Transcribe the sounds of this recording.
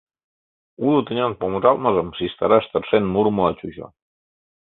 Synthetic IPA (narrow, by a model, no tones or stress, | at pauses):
ulut̪ə̆nʲɑnpoməʒɑlmɑʒə̆msist̪ɑɾɑʃt̪ə̆rʃenmurməlɑt͡ɕuɕo̰